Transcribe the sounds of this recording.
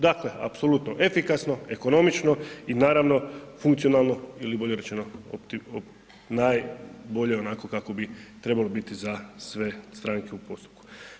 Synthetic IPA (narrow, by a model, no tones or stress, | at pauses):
d̪akle̞a̰pso̞lut̪noʔefikasno̞e̞ko̞no̞mit͡ʃno̞inaːɾaʋno̞fuŋkt̪sionalˠno̞ilibo̞ʎe̞ɾet͡ʃenopt̪io | naːjbo̞ʎe̞o̞naːko̞kako̞bit̪ɾe̞balobit̪izasʋe̞st̪ɾaːŋkeupo̞st̪u̥p̚ku̥